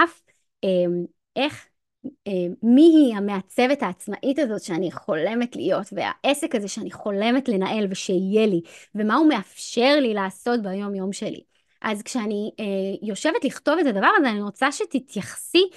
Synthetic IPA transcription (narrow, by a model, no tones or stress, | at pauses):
ʔaf | em | ʔe̞χ | emiɦiame̞at͡se̞vethaːt͡smaʔitazo̞tʃeaniχo̞le̞metlḭjo̞tvea̰ʔe̞se̞kazeʃeaniχo̞le̞metle̞naʔe̞lveʃeijelive̞maume̞afʃe̞ʁlilaːso̞t̚beajo̞mjo̞mʃe̞lḭ | ʔazkʃeanijo̞ʃe̞vetliχto̞vetadavaʁazeaniʁot͡saʃetitʰjaχsi